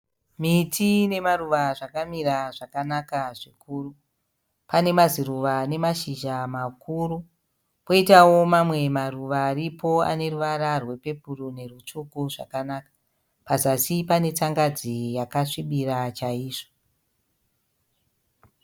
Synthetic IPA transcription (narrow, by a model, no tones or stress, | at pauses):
mitʰine̞maruʋaʐakamiɾaʐakanakaʐikʰuːru | pane̞maziɾuʋane̞maʃiʒamakuːɾu | po̞itawo̞mamwe̞maruʋaːɾipʰo̞a̰ne̞ruʋaɾarwe̞pe̞purune̞rut͡ʂukuʐa̰kanakḁ | pazasipane̞t͡saŋɡad͡zijakaʂiɓiɾat͡ʃaiːʐo